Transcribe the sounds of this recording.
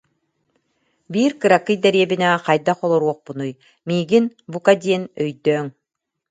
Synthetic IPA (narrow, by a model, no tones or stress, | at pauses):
biːɾkɯɾakːɯjd̪ɛɾiɛbinɛqajd̪aχɔlˠɔɾuɔχpunuj | miːɡinbukad̪iɛnœjd̪œːŋ